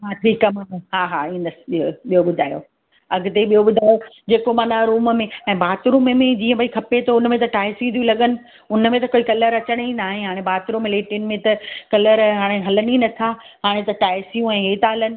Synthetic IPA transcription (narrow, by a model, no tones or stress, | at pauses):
ɦaːtʰikɐmaɦaːɦaːĩːnd̪əsɪ̥ɓioɓijoɓʊd̪ʱaːjo̰ | ɐɡd̪eɓijoɓʊd̪ʱaːjod͡ʑeːkomãːnaɾuːmmẽɛ̃ːbaːt̪ɾuːmemẽd͡ʑiːə̃bɐikʰɐpet̪ʰoʊnmẽt̪ɐʈaːɪsĩt̪ijũlɐɠənɪ̆ | ʊnəmẽt̪ɐkoːikɐləɾɐt͡ɕəɽ̃inaːɦẽɦaːɽ̃ẽbaːt̪ɾuːmɪleːʈinmẽt̪ɐkɐləɾɦaːɽ̃eɦɐləninɐt̪ʰa | ɦaːɽ̃ẽt̪ɐʈaːɪsijũɛ̃ːɦeːt̪aɦɐlənɪ̆